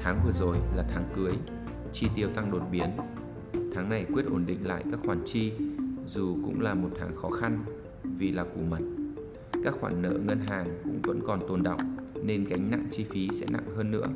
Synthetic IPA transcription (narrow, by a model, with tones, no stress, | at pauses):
t̪ʰaː˨˦ŋvɨ˨˩əzo˨˩jlaː˨˩t̪ʰaː˨˦ŋkɨ˨˦əj | t͡ɕi˧t̪i˨˩əwt̪a˧ŋɗo˨˩t̚ɓi˨˦ən | t̪ʰaː˨˦ŋna˨˩jkwi˦˥ət̚ʔo˧˩nɗḭ̈˧˨ŋ̟la̰ː˧˨jkaː˦˥k̚xwaː˧˩nt͡ɕi˧zu˨˩kʊ̰˧˥ŋ͡mlaː˨˩mo˨˩t̚t̪ʰaː˨˦ŋxɔ˨˦xa˧n | vi˨˩laː˨˩ku˧˩mə˨˩t̚ | kaː˦˥k̚xwaː˧˩nːə̰ː˧˥ŋə˧nɦaː˨˩ŋkʊ̰˧˥ŋ͡mvə̰˧˥nkɔ˨˩nt̪o˨˩nɗə̰˧˨wŋ͡mne˧nka˨˦jŋ̟na̰˧˨ŋt͡ɕi˧fi˨˦sɛ̰˧˥na̰˧˨ŋhəː˧nːɨ̰˧˥ə